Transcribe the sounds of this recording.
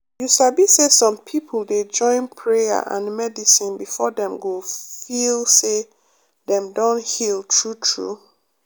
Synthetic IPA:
juʃabisesɔ̃mpʰipʰlˠded͡ʒɔ̃ɪ̃npʰɹeja̰ʔã̰nmɛdisĩnbifɔdɛ̃mɡofilse | dɛ̃mdɔ̃nhilˠtʰɹutʰɹṵ

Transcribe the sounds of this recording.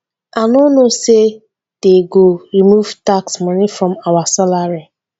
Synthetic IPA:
anonose | d̥eɡoɾimuvtaksmanifɾɔ̃mawasalaɾi

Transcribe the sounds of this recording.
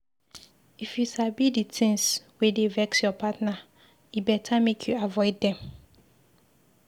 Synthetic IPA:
ifjusabiditʰɪ̃ŋswedevɛksjɔpʰatna | ibɛtʰamekʰjuavɔɪdːɛ̃m

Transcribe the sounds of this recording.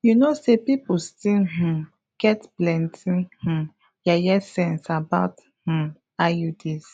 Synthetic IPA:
junosepipustiɦ̩ | ɡ̥ɛtblɛ̃ntʰĩh̩ | jajɛsɛ̃nsabaʊt | h̩ | ajudis

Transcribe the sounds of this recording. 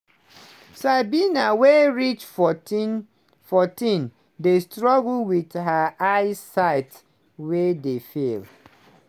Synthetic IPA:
sabinaweɹit͡ʃf | fɔtĩn | destɹɔɡlwidɦaʔaɪsaɪt | wedefel

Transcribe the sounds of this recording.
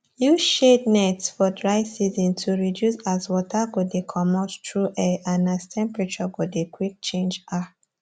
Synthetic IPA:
juʃetnɛtsfɔdɹaɪsizɔ̃ntʰuɹidjusazwɔtʰaɡɔdekʰɔmɔttɹuʔɛanastʰɛ̃mpɹat͡ʃɔɡɔdekʰwik̚t͡ʃẽnd͡ʒa

